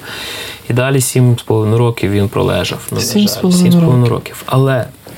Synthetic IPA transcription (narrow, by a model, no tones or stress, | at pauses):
id̪ɑlʲisʲimspɔlˠɔʋɪd̪nʊɾɔkʲiwʋʲinpɾɔ̰lˠɛ̰ʒɐ̰wnuispɔlˠsimspɔlˠʋɪnʊɾɔ̰kʲiwɐlˠɛ